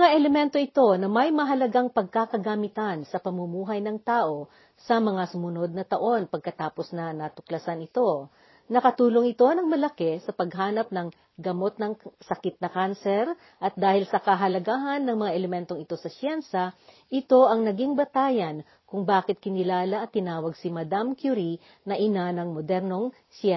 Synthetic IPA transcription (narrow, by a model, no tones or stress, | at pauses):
mɐŋaʔɛlɛmɛnt̪o̞ɪt̪o̞nɐmɐjmɐɦɐlɐɡaŋpɐɡ̚kakɐɡamɪt̪ɐnsɐpɐmumuːɦɐjnɐŋt̪aːʔo̞ | sɐmɐŋasʊmʊno̞d̪̚nɐt̪ɐʔo̞npɐɡ̚kɐt̪aːpo̞snɐnɐt̪ʊklɐsanɪt̪o̞ | nɐkɐt̪uːloŋɪt̪o̞nɐŋmɐlɐkɛsɐpɐɡɦaːnɐp̚nɐŋ | ɡɐmo̞t̪̚nɐŋsɐkɪt̪̚nɐkansɛɾ | ʔɐt̪̚d̪aːhɪlsɐkɐɦɐlɐɡaːɦɐnːɐŋmɐŋaʔɛlɛmɛnt̪oŋɪt̪o̞sɐsjɛnsɐ | ʔɪt̪o̞ʔɐŋnɐɡiŋbɐt̪aːjɐn | kʊŋbaːkɪt̪̚kɪnɪlaːlɐʔɐt̪ːɪnaːwɐɡ̚simɐd̪amkjuɾi | nɐʔɪnanɐŋmod̪ɛɾno̞ŋ | sɛ